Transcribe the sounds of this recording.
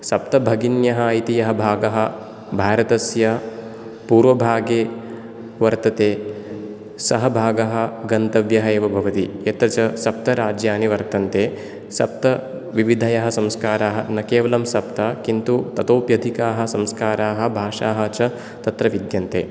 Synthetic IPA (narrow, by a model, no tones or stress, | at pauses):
sɐp̚t̪ɐbʱɐɡinjɐɦɐɐit̪ijɐɦɐbʱaːɡɐɦɐ̆ | bʱaːɾɐt̪ɐsjɐ | puːɾʋɐbʱaːɡeː | ʋɐɾt̪ɐt̪eː | sɐɦɐbʱaːɡɐɦɐ̆ɡɐnt̪ɐʋjɐɦɐeːʋɐbʱɐʋɐt̪iet̪ɾɐt͡ʃɐsɐp̚t̪ɐɾaːd͡ʒjaːniʋɐɾt̪ɐnt̪eː | sɐp̚t̪ɐ | ʋiʋid̪ʱɐjɐɦɐ̆sɐmskaːɾaːɦɐnɐkeːʋɐlɐmsɐp̚t̪ɐkint̪ut̪ɐt̪oːpjɐd̪ʱikaːɦɐ̆sɐmskaːɾaːɦɐ̆bʱaːʂaːɦɐ̆t͡ʃɐ | t̪ɐt̪ɾɐʋid̪jɐnt̪ḛː